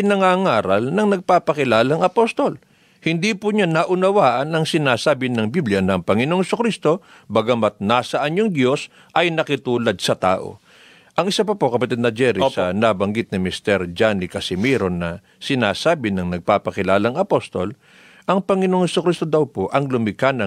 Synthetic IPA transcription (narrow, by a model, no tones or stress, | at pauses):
ɪnɐŋaŋaːɾɐlnɐŋnɐɡ̚paːpɐkɪlaːlɐŋɐpost̪o̞l | hɪnd̪ipʊɲanɐʔʊnɐwaːʔɐnɐŋsɪnaːsaːbɪnɐŋbiblɪjɐnɐŋpɐŋɪnoŋhɛsʊkɾist̪o̞ | bɐɡɐmɐt̪̚naːsɐʔɐɲoŋd̪jo̞s | ʔɐjnɐkɪt̪uːlɐd̪̚sɐt̪a̰ːʔo̰ | ʔɐŋɪsapɐpo̞kɐpɐt̪ɛd̪nɐd͡ʒɛɾisɐnabɐŋɡɪt̪̚nɪmɪst̪ɛɾd͡ʒanikɐsɪmiɾonːɐ | sɪnaːsaːbɪnɐŋnɐɡ̚paːpɐkɪlaːlɐŋɐpost̪o̞l | ʔɐŋpɐŋɪnoŋhɛsʊkɾist̪o̞d̪ɐwpoʔɐŋlʊmɪkanɐ